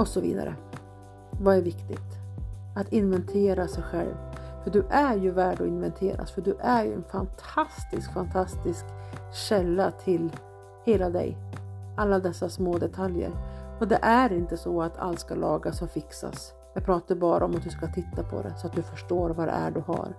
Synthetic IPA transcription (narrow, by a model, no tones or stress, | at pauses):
ɔsɔvḭːd̪a̰ɾə̰ | vaæɾvɪkt̪ɪ̰t̪at̪ɪnvɛnt̪ʰeːɾasɛjɧɛ̰lvfœɖɵʔæɾjɵvæːɖɔɪnvɛnt̪ʰeːɾa̰sfœɖɵʔæɾjɵ̰ɛnfant̪ʰast̪ɪskfant̪ʰast̪ɪskɕɛlːat̪ʰɪl | heːlad̪ɛ̰jalːad̪ɛsːasmoːd̪ɛt̪ʰaljə̰ɾɔd̪ɛʔæɾɪnt̪əsɔat̪ʰa̰lt̪skalɑːɡasɔfɪksa̰s | jɑːɡpʰɾɑːt̪aɾbɑːɾaɔmat̪̚d̪ɵskat̪ʰɪt̪ːapʰɔ̰d̪ɛ̰sɔat̪̚d̪ɵfœʂʈoːɾvad̪ɛ̰æ̰ɖɵha̰ɾ